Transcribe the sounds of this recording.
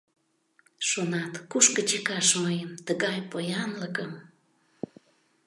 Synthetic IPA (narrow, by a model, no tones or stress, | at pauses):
ʃonɑt̪kuʃkət͡ɕekɑʃməjəmt̪əɣɑjpojɑnləkəm